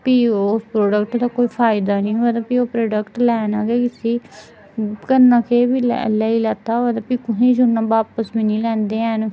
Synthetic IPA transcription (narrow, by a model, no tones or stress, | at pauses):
piːospɾoːɖəkʈd̪aːkoːiːpʰaːɪd̪aːnĩːad̪apiːoːpɾoːɖəkʈlɛːnaːɡeːkɪsiː | kənːãːkʰeːbiːl̰ləiːlaːt̪aːoad̪apiːkʊɦĩːd͡ʒʊnːãːbaːpəsbiːnĩːlɛ̃ːnd̪eːɛn